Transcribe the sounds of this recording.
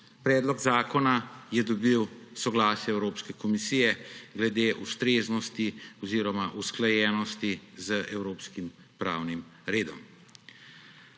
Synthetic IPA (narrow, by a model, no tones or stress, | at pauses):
pɾɛːd̪lɔɡzaːkɔnajɛd̪ɔbiwsɔɡlaːsjɛɛwɾoːpskɛkɔmisijɛɡlɛd̪eːʔust̪ɾeːznɔst̪iɔziːɾɔmaʔusklajɛːnɔst̪izəʔɛwɾoːpskim | pɾa̰ːwnimɾeːd̪ɔ̰m